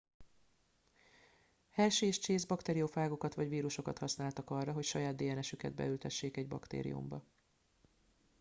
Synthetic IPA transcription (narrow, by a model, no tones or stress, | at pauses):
hɛlʃeʃt͡ʃeːzbɒkt̪eːɾiofaːɡo̞kɒt̪ʋɒɟviːɾuʃo̞kɒt̪hɒsnaːlt̪ɒkɒrːɒɦo̞cʃɒjaːd̪d̪eːjɛnɛʃykɛ̰d̪̚bɛ̰ylt̪ɛʃːeːkɛɟbɒ̰kt̪ḛːɾḭṵmbɒ